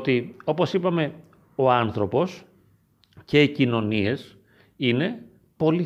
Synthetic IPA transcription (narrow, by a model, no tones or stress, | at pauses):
t̪io̞po̞sipɐme̞ | o̞ɐnθɾo̞po̞s | ce̞icino̞nie̞s | ine̞ | po̞li